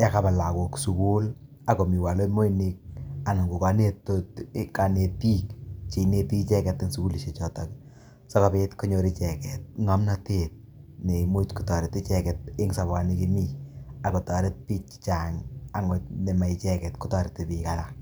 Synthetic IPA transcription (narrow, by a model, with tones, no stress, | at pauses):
ja˦ka˨ba˨la˨ko˨ksu˨ku˦l | a˨ko˨mi˨wa˨lo˦mo˦ini˦k̚a˨nɪ˨ŋɡu˨ka˨ne˦totka˨ne˨ti˦kt͡ʃi˨ne˦ti˦t͡ʃɛ˦kɛ˨tːɪ˦nsu˨ku˦li˦ʃe˨t͡ʃɔ˨ta˨k | sɔ˦ka˦pe˦tko˦ɲo˨ɾi˦t͡ʃɛ˨kɛt̚ŋa˦mna˦tet̚ | ni˨mo˦tku˨tɔ˨ɾe˨tɪ˦t͡ʃɛkɛ˨t̚ɪ˦ŋsa˨ba˨ni˦ki˦mi˦a˨ko˨tɔ˨ɾe˦t̚pi˦t͡ʃt͡ʃa˨ŋa˨ŋo˨ne˨ma˨i˨t͡ʃɛ˦kɛ˨tku˦tɔ˨ɾe˨te˨pika˦lak̚